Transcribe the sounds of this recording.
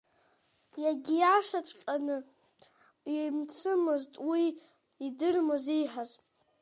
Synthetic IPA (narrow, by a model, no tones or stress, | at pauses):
jaɡʲijaʂat͡ʃʷʼqʲʼanɨ | mt͡sʰɨmɨztʼwiː | dɨrmɨziħaz